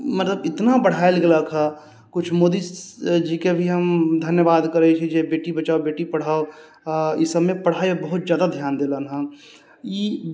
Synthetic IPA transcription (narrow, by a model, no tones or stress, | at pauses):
mət̪ləbɪt̪nabəɽ̤aːelɡelakʰa | kʊt͡ʃʰmoːd̪isd͡ʒikebʱiɦəmd̪ʱənjəbaːd̪kəɾəet͡ʃʰɛd͡ʒebeːʈibət͡ʃaːobeːʈipəɽ̤aːo | ɪsəbmẽpəɽ̤aːebəɦʊt̪zjaːd̪ad̪ʱjaːnd̪eːlənɦã | i